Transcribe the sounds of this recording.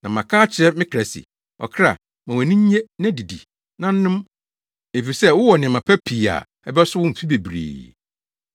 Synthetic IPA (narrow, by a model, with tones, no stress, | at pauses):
nã˨mã˨kʰaː˦t͡ɕʰɪ˨ɾɛ˦mɪ̃˦kʰɾæ˨sɪ̰˨ | ɔ̰˨kʰɾa̰˨ | mã˨wæ̃˨nĩ˦ɲ˦ɲe˦nã˦˨di˨dḭ˨ | nã˦n̩˦nʊ̃˦m | e˨fi˨i˨sɛ˦wʊ˦wɔ˨nɪ̃˨mã˨pʰæ˦pʰi˨a̰˨ | ɛ˨bɛ˦ɔ˦sʊ˦wʊ̃˦m̩˨fi˦be˨bɾḛː˨